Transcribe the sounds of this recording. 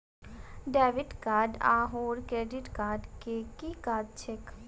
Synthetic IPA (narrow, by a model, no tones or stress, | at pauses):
ɖɛːʋɪʈkaːɾɖaːɦoːɾkɾeːɖɪʈkaːɾɖkekikaːd̚t͡ʃʰek